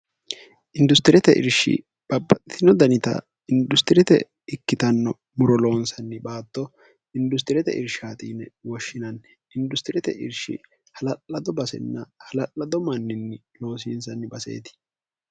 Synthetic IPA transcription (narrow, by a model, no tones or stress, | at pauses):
ʔɪnd̪ʊst̪ɪɾɛt̪ɛʔɪ̰ɾʃɪ̰ | b̥ɐbːɐt̪ʼt̪ʰɪnɔd̪ɐnɪt̪ɐ̰ | ɪnd̪ʊst̪ɪɾɛt̪ɛ̰ | ɪkːɪt̪ɐnːɔ | mʊɾɔlo̞ːnsɐnːɪbaːt̪ːɔ | ɪnd̪ʊs̬t̪ɪɾɛt̪ɛ̰ʔɪɾʃaːt̪iːnɛwɔʃːɪnɐn | ʔɪnd̪ʊst̪ɪɾɛt̪ɛ̰ʔɪ̰ɾʃɪ̰ | hɐlɐlːɐd̪ɔbɐsɛ̰nːɐhɐlɐʔɐd̪ɔmɐnːɪnːɪ | lo̞ːs̬iːnsɐnːɪbɐse̞̰ːt̪ɪ̥